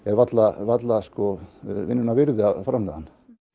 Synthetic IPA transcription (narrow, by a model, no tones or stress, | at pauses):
ɛɾvat̪lavat̪laskɔvɪnːʏnavɪɾðɪafɾamlaðanː